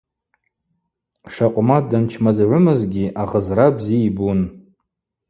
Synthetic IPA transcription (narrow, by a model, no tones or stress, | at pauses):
ʂaqʷʼmadant͡ʃʰmazʕʷʊmɨzɡʲiʔaʁəzrabziːbun